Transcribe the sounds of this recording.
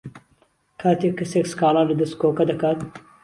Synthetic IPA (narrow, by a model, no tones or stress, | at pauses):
kʰaːt̪ikisekskaːlaːɾɐd̪ɐskoːkɐd̪ɐkat̪